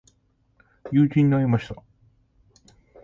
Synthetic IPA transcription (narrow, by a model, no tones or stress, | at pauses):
jɯːt͡ɕʲĩɲ̟ːiaimaɕi̥t̪a